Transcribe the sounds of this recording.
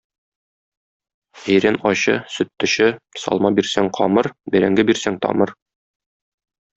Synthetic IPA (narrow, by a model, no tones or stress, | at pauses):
æjɾænɒɕɤ̰sɵ̆t̪ːɵ̆ɕɘsɒ̰lˠmɑbiɾsæŋqʰɒmɤɾbæ̆ɾæŋɡɘbiɾsæŋt̪ɒ̰mɤɾ